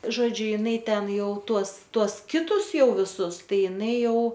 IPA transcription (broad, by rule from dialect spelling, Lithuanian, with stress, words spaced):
ˈʒoːd͡ʒʲʊ ˈɪnɐɪ ˈtʲɛn ˈjɛʊ ˈtuɔs ˈtuɔs ˈkʲɪtʊs ˈjɛʊ ʋʲɪˈsʊs ˈtɐɪ ɪˈnɐɪ ˈjɛʊ